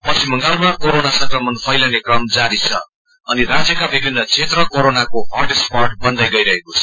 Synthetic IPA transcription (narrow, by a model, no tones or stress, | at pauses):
pʌsimːʌŋɡalmakoɾonasʌŋkrʌmʌnpʰʌjlʌnekrʌmd͡zaɾit͡sʰʌ̰ | ʌniɾad͡zjʌkabibʱinːʌt͡sʰet̪rʌkoɾonakoɦʌrʈesparʈ̚bʌnd̪ʌjɡʌjɾʌɦekot͡sʰʌ̥